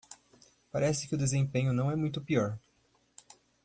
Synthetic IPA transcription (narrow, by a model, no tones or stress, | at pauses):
paɾɛsɪ̥kɪʊd̪ezẽpẽɲʊnɐ̃w̃ɛmũj̃t̪̬ʊpiɔɾ